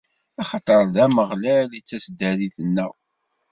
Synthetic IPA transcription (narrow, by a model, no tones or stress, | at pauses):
ɑχɑt̪ˤəɾˤðæməʁlælit͡sːæsd̪æɾiθənːæw